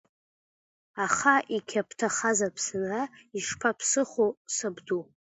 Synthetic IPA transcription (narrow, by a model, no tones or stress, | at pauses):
aχaʔikʲʰapʰtʰaχazapʰsɨnraiʂpʰapʰsɨχosɨbdu